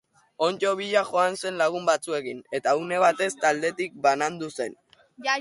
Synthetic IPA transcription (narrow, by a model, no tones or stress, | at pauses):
o̞nt͡ʃo̞β̞iʎaʝo̞anse̞nlaɣumbat͡sue̞kine̞t̪aune̞β̞at̪e̞st̪ald̪e̞t̪ik̚banand̪use̞n